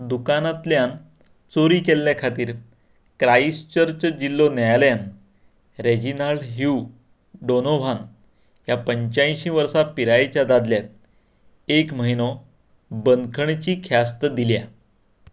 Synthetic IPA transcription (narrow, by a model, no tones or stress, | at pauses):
d̪ukanat̪ljan | t͡soɾiːkelːjakʰat̪iːɾ | kɾaist͡ɕəɾt͡ɕəd͡ʑilːonjajljan | ɾed͡ʑinalɦu | ɖonoʋ̤an | japəɲt͡ɕãj̃ɕĩːʋəɾsapiɾajet͡ɕjad̪ad̪ljat̪̚ | ekməɦinɔ | bənkʰəɳt͡ɕiːkʰjast̪əd̪ilja